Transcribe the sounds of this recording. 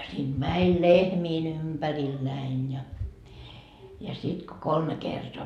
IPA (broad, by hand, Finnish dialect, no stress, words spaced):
siːnt mænʲ lehmiːn ympæriːl næin jɑ jɑ sit ko kolme kertoɑ